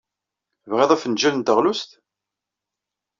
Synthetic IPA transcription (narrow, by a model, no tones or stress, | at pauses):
vʁeðˤæfənʒælənt̪əʁlust̪